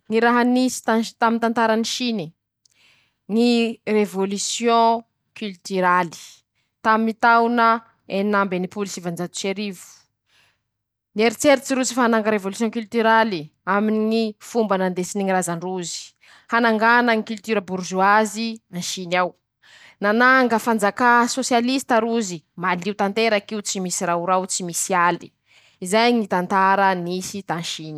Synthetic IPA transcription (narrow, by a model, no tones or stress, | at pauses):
ŋiɾaɦanisi̥t̪at̪amint̪ant̪aɾaniʃini | ŋirevolysjõ | kylt̪yɾali̥ | t̪amiit̪awnə | enambenipulisivand͡zat̪u̥ʃeɾivu̥ | nieɾit͡seɾit͡siɾut͡si̥faanaŋɡəɾevolysjɔ̃kylt̪yɾaliaminŋifumbanand̪esiniŋirazaɳruzi̥ | hanaŋɡanaŋikylt̪yɾəbuɾʒuazianʃinaw | nanaŋɡəfand͡zakasosjalist̪aɾuzimaliuwt̪ant̪eɾakiuwt͡simisiɾauɾawt͡simisiali̥ | izajŋit̪ant̪aɾənisid̪aanʃini